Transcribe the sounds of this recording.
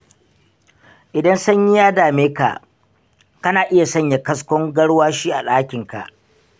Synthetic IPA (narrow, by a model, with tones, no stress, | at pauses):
ʔɪ˨dɐ˦nsɐ˦ɲji˦jaː˦daː˨meː˦ka̰˨ʔ | kɐ˦naː˨ʔɪ˦ja˨sɐ˦ɲja˨kɐ˦skʷɔ˦ŋɡɐ˦ɽwaː˦ʃiː˦ʔa˨ɗaː˦kʲɪ˨ŋka̰˨ʔ